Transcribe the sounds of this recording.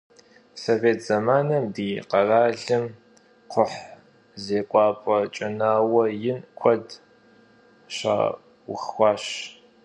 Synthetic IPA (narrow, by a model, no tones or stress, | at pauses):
soveːtʰz̥ɐmaːnɐmdiːqɐraːɮɨm | qʷʰʊħ | zeːqʷʼɑːpʼɔt͡ʃʼɐnaːwɐjɪnkʷʰɐd | ɕa̰ː | wʊ̰xxʷɑːɕ